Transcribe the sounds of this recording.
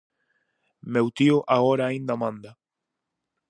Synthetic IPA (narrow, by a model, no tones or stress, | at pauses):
mewt̪iʊʔaɣɔɾaːind̪amãnd̪a